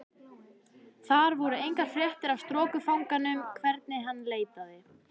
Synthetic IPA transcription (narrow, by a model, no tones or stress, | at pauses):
θaɾvɔɾʏejŋkaɾ̥fɾjɛht̪ɪɾavst̪ɾɔːkʏfawŋkanʏmkʰvɛɾt̪̚nɪɦanːleːjt̪aðɪ